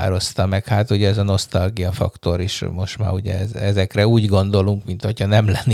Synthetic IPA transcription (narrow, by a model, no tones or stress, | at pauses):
ɾo̞st̪ɒmɛkhaːt̪uɟɛɛzɒno̞st̪ɒlɡijɒfɒ̰kt̪o̞ɾiʃmo̞ʃt̪ma̰ːɾuɟɛ̰ɛzɛzɛkrɛuːɟɡo̞n̪d̪o̞luŋkmint̪hocʰɒnɛmlɛnː